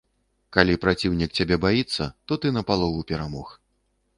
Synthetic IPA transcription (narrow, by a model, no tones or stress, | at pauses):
kalʲipɾat͡sʲiwnʲik̚t͡sʲabʲɛbajit̪sːɐt̪ɔt̪ɨnɐpalˠɔvupʲɛɾamɔx